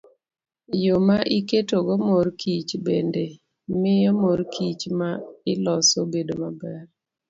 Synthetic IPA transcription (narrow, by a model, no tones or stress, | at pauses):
jomaʔiketoɡɔmoɾkʰit͡ʃbende | mɪjɔmoɾkʰit͡ʃmaɪlɔsobedomabɛr